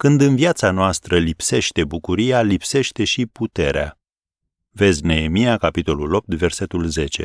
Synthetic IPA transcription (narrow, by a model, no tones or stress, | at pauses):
kɨnd̪ɨnviat̪sanoast̪ɾəlipse̞ʃt̪e̞bukuɾijalipse̞ʃt̪e̞ʃiput̪e̞ɾea̰ | ve̞zʲne̞emijakapit̪o̞lulo̞p̚t̪ve̞rse̞t̪ulze̞t͡ʃe̞̰